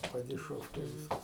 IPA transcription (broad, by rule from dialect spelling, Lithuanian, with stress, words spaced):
pɐdʲɪˈʃoːwkʲɛɪ ˈʋʲiːskɐs